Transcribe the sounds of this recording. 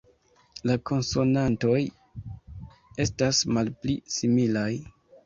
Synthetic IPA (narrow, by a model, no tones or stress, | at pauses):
lako̞nso̞nanto̞j | e̞stasmalplisimilaj